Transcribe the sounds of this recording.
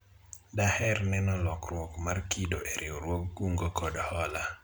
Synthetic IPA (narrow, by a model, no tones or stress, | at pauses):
dahɛrnɛnɔlɔkrwɔkmarkʰidoʔeɾʔioɾwoɡːuŋɡokʰɔdhɔla